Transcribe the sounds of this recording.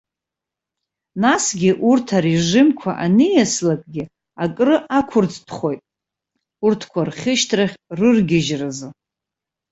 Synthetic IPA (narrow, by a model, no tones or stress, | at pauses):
nasɡʲɪʔurtʰaɾeʐɪmkʷʰa̰ʔanɨjaslakʼɡʲɪ | akʼrɨʔakʷʰʊrt͡sʼtʰχo̞jtʼ | urtʰkʷʰarχʲɪʃtʰraχʲrɨrɡʲɪʒrazɨ